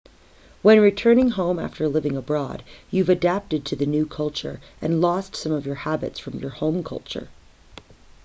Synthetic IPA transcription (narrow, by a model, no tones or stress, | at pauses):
wə̃nɹitʰɜ̃˞nɪ̃ŋɦõʊ̃mæ̰ftə˞lɪvɪ̃ŋəbɹɔ̰djʉvɨdæp̚tɨd̚tʰɨðɨnʉkʰʌlˠt͡ʃə̰˞ʔɨ̃nlɔstsʌ̃mʌvjə˞hæbɨ̰tsfɹʌ̃mjə˞hõʊ̃mkʰʌ̰lˠt͡ʃə̰˞